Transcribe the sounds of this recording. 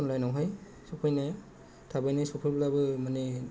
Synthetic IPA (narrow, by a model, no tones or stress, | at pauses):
ɔnlajnɔɦɔj | sɔpʰɔjnɛ | tʰabajnasɔpʰɔjblabɯmanɛ